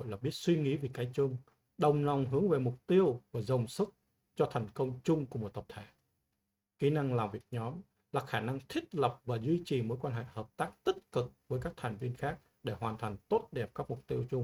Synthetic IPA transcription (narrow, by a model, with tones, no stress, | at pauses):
o̰˧˨jlaː˨˩ɓi˦˥ət̚swi˧ŋi˨˦vi˨˩kaː˨˦jt͡ɕʊ˧ŋ͡m | ɗə˨˩wŋ͡mla˨˩wŋ͡mɦɨ˨˦əŋve˨˩mʊ˨˩k͡p̚t̪i˧əwvaː˨˩zə˨˩wŋ͡msɨ˦˥k̚ | t͡ɕɔ˧t̪ʰɛ˨˩jŋ̟kə˧wŋ͡mt͡ɕʊ˧ŋ͡mkəmo˨˩t̚t̪ə˨˩p̚t̪ʰe˧˩ | ki˨˦na˧ŋlaː˨˩mvi˨˩ək̚ɲɔ˨˦m | laː˨˩xaː˧˩na˧ŋt̪ʰï˦˥k̚lə˨˩p̚vaː˨˩zwi˧t͡ɕi˨˩moː˨˦jkwaː˧nɦḛ˧˨həː˨˩p̚t̪aː˦˥k̚t̪i˦˥k̚kɨ˨˩k̚vəː˨˦jkaː˦˥k̚t̪ʰa˨˩jŋ̟vi˧ənxaː˦˥k̚ | ɗe˧˩hwaː˨˩nt̪ʰa˨˩jŋ̟t̪o˦˥t̚ɗɛ˨˩p̚kaː˦˥k̚mʊ˨˩k͡p̚t̪i˧əwt͡ɕʊ˧ŋ͡m